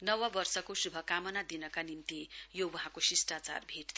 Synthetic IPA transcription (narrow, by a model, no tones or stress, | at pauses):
nʌwʌbʌrsʌkosubʱʌkamʌnad̪inʌkanimt̪ijowʌɦãkosisʈat͡sa̰rbʱeʈd̪